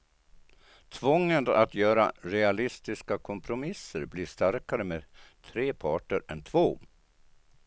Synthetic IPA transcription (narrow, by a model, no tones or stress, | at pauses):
t̪ʰvɔŋːəna̰t̪jœːɾa̰ɾɛalɪst̪ɪskakʰɔmpʰɾʊmɪsːəɾbliːʂt̪aɾkaɾəmeːdt̪ʰɾeːpʰɑːʈəɾɛnt̪ʰvoː